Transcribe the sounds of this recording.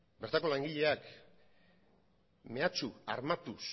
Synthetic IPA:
be̞ɾt̪ako̞laŋɡiʎe̞ak | me̞at͡ʃua̰ɾmat̪us

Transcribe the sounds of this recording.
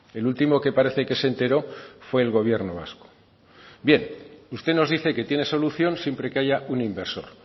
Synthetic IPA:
e̞lult̪imo̞ke̞paɾe̞θeke̞se̞nt̪e̞ɾo̞fwe̞ːlɣo̞β̞jeɾno̞βa̰sko̥ | bje̞nust̪e̞no̞zðiθe̞ke̞t̪je̞ne̞so̞luθjo̞nsje̞mpɾe̞keaʝaunimbe̞ɾso̞̰ɾ

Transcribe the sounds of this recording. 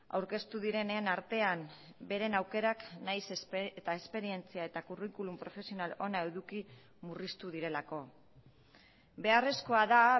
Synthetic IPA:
a̰wɾke̞st̪uðiɾe̞nenaɾt̪e̞ambe̞ɾe̞nawke̞ɾaknajset̪aespe̞ɾie̞nt͡siae̞t̪akurikulumpɾo̞fe̞sio̞nalo̞naeðuki | murist̪uðiɾe̞lako̞ | be̞are̞sko̞aða

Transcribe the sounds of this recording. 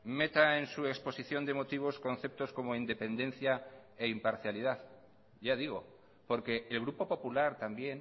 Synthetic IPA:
me̞t̪aensue̞kspo̞siθjo̞nd̪e̞mo̞t̪iβ̞o̞sko̞nθe̞p̚t̪o̞sko̞moind̪e̞pe̞nd̪ẽ̞nθjae̞impaɾθjalið̞að | ɟ͡ʝað̞iɣ̞o̞ | po̞ɾke̞ʔːlɣ̞ɾupo̞po̞pulaɾt̪ambje̞n

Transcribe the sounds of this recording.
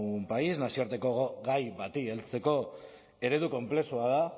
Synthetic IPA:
mpaiznasioɾt̪e̞ko̞ɣoɣajβat̪ielt͡se̞ko̞ | e̞ɾe̞ðuko̞mple̞suaða

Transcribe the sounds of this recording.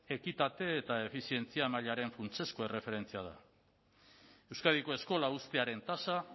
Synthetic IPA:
e̞kit̪at̪e̞ːt̪ae̞fisie̞nt͡siamaʎaɾe̞ɱfunt͡se̞sko̞e̞re̞fe̞ɾe̞nt͡siað̞a̰ | e̞wskaðiko̞e̞sko̞laust̪e̞aɾe̞nt̪asa

